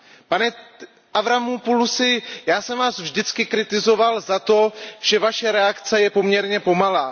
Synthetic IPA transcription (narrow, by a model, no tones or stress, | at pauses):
panɛ | ʔavɾamupulusɪjaːsɛmvaːsvʒdɪt͡skɪkɾɪt̪ɪzo̞valzat̪o̞ʒ̥ɛvaʃɛɾɛakt͡sɛjɛpo̞mɲɛɾɲɛpo̞malaː